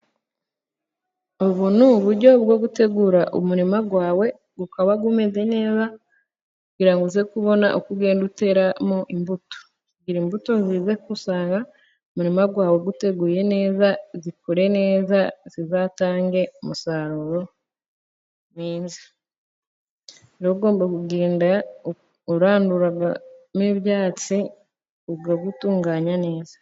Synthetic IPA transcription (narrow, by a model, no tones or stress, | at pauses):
oβunuβuɾɟo̞βɡo̞ɡute̞ɡuːɾaʔumuɾimaɡwaːwe̞ | ɡukaβaɡume̞ze̞ne̞ːza | kuɡiɾaŋɡuzekuβo̞na̰ʔokuɡe̞ːndute̞ɾamoʔimbuto̥ | ziɡiɾimbuto̞ziːze̞kusaːŋɡa | umuɾimaɡwaːwe̞ɡute̞ɡuje̞ne̞ːzazikoɾe̞ne̞ːzaz̥izaːtaːŋɡe̞omusaɾuɾo | niːnzi̥ | iɾoɡo̞ːmbaɡuɡe̞ːnda | uɾaːnduɾaɡamiβjaːt͡si | uɡaɡutuːŋɡaːɲane̞ːzḁ